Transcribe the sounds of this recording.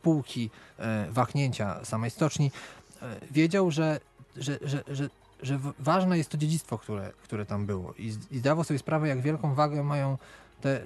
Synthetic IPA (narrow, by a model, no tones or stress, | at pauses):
puwkʲivaxɲeɲt͡ɕa̰samɛjst̪ɔt͡ʂɲi | vʲjed͡ʑawʐɛ | ʐɛʐɛʐɛ | ʐɛvaʐnɛjɛst̪ːɔd͡ʑed͡ʑit̪st̪fɔkt̪uɾɛ̰kt̪uɾɛt̪ambɘwɔ̰ʔiizd̪avawsɔbʲjɛspɾavɛjaɡvʲjɛlkɔ̃w̃vaɡɛmajɔ̃w̃t̪ɛ